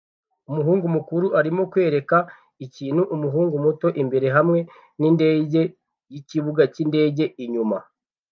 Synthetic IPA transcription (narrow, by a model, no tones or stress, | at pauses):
umuɦuːŋɡumukuɾuʔaɾimo̞kwe̞ːɾe̞ka | iciːnhuʔumuɦuːŋɡumuto̞ʔimbe̞ɾe̞ɦamŋe̞ | ninde̞ːɟe̞ | jiciβuɡacinde̞ːɟe̞iɲuma̰